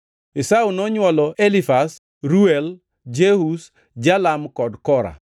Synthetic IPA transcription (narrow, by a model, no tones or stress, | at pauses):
ɪsaunɔɲwɔlɔʔelifas | ɾuɛl | d͡ʒehus | d͡ʒalamkɔdkɔɾa̰